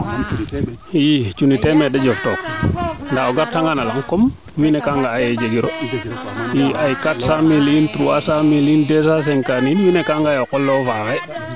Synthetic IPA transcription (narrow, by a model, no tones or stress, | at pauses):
jit͡ʃunitɛmedad͡ʒɔftɔkndaoɡaɾtaŋɡanalaŋkɔm | minekaŋɡaːjed͡ʒeɡiɾo | jiajkatsamilintɾuasamilindesas̬ɛŋkaninminekaŋɡajɔkɔlːɔfaka